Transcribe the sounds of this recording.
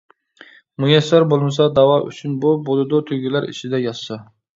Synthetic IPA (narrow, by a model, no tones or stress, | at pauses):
mujɛsːæɾbolˠmɨsɑd̪ɑwɑʔy̰t͡ʃʰynbubolˠɨd̪ut̪ʰyɡʲilæɾḭt͡ʃʰɪd̪ɛjɑssɑ